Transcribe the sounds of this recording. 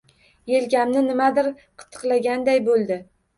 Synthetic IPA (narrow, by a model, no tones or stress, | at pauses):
jelɡʲamnɪnɪmad̪ɪɾ | qʰɨ̥t̪ʰːɨ̥qlˠaɡʲand̪ajbolˠd̪ɪ